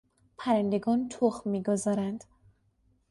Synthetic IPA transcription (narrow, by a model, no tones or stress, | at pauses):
pʰæɾænd̪eɡɒːnt̪ʰoχmːiːɡozɒːɾænd̪̥